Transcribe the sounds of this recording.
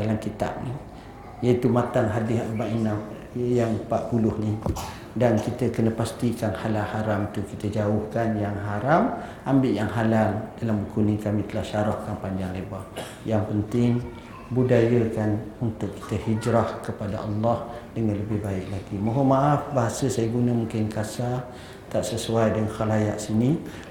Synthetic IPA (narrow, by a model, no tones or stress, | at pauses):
alamkit̪a̰p̚ni | jait̪umat̪aŋɦadɪɦʔbaʔina | jaŋpaʔpulʊhni | dankit̪əkənəpast̪ikanhalahaɾamt̪ukit̪əd͡ʒaʊhkanjaŋɦaɾamʔambɪʔjaŋɦalaldalambukunikamit̪əlahʃaɾɔhkanpaɲd͡ʒaŋleba | jaŋpənt̪ɪŋ | budajəkanunt̪ʊʔkːi̥t̪əhid͡ʒɾahkəpada̰ʔɑlːɑhdəŋanləbɪhbaɪk̚laɡimaɦomaʔafbaɦasəsajaɡunəmuŋkɪnkasa | t̪aʔsəsuajdəŋanxalajaʔsini